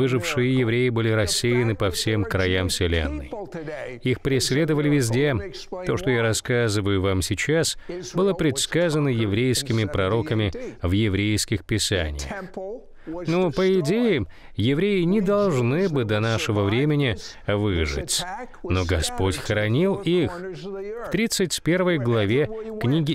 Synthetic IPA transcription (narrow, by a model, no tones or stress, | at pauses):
ɨʐɨfʂɨjəjɪvɾʲejɪbɨlʲɪɾɐsʲːejɪnɨpɐfsʲemkɾɐjamsʲɪlʲḛnːɨ̰j | ixpɾʲɪsʲlʲe̞d̪əvəlʲɪvʲɪzʲdʲe | t̪o̞ʂt̪ojaɾɐskazɨvəjʊvamsʲɪt͡ɕasbɨlˠəpɾʲɪt̪skazənəjɪvɾʲejskʲɪmʲɪpɾɐɾo̞kəmʲɪvjɪvɾʲejskʲɪxpʲɪsa̰nʲɪ̰jə̰x | nopəɪdʲejɪm | jɪvɾʲejɪnʲɪd̪ɐlˠʐnɨbɨd̪ɐnaʂɨvəvɾʲemʲɪnʲɪ | vɨʐɨ̰tʲ | no̞ɡɐspo̞tʲxəɾɐnʲilˠixft̪ɾʲit̪sɨtʲpʲe̞rvəjɡlˠɐvʲeknʲiɡʲɪ